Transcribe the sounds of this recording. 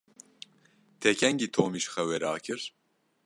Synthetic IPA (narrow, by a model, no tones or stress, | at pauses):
t̪ʰɛkʰɛŋɡit̪ʰoːmiʃxɛwɛɾa̰ːkʰɨɾ